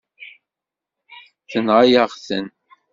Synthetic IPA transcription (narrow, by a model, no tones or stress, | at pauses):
θənʁajaʁθən